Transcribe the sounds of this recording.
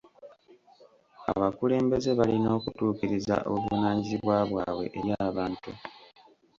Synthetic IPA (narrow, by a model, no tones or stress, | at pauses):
a̰βakule̞ːmbe̞ze̞βalino̞ːkutuːkiɾiza̰ʔo̰βanaːɲziβwaːβwa̰ːwe̞̰ʔeɾjaːβaːntu